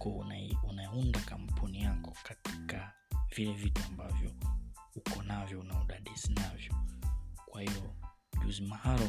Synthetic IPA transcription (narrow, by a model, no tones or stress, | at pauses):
kɔnunaiundakam̩pʰunijakɔkati̥ka | vilɛvituambavjɔhukʰɔnavjɔunauɗaɗisinavjɔkwahijɔ | ʄuzimahaɾɔ